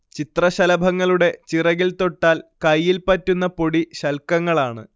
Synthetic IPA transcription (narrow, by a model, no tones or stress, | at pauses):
t͡ɕit̪rɐɕɐlɐbʱɐŋːɐɭuɽe̞t͡ɕirɐɣilt̪o̞ʈːaːlkɐjːilpɐtːunːɐpo̞ɽiɕɐlkɐŋːɐɭaːɳɨ̰